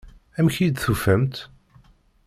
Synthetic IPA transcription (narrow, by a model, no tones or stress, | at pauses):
æmçid̪θufæmt̪